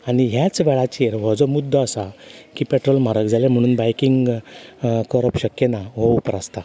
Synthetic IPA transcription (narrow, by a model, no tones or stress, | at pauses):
aɽ̃iɦjat͡sʋɛɭat͡ɕeɾʋɔd͡zɔmud̪ʱːəːsakiːpeʈɾolm̤aɾəkd͡zʱalem̤əɽ̃uːnbajkiŋɡ | kɔɾəpɕəkjenaʋ̤ɔupɾast̪a